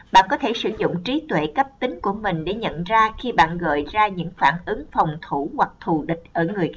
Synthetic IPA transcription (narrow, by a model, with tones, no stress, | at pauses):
ɓa̰ː˧˨nkɔ˨˦t̪ʰe˧˩sɨ˧˩zʊ̰˧˨ŋ͡mt͡ɕi˨˦t̪wḛ˧˨kə˦˥p̚t̪ï˨˦ŋ̟ku˧˩əmï˨˩ŋ̟ɗe˧˩ɲə̰˧˨nzaː˧xi˧ɓa̰ː˧˨nɣɔ̰ː˧˨jzaː˧ɲɨ̰˧˥ŋfaː˧˩nʔɨ˨˦ŋfa˨˩wŋ͡mt̪ʰu˧˩hwa˨˩k̚t̪ʰu˨˩ɗï˨˩k̟̚ʔəː˧˩ŋɨ˨˩əj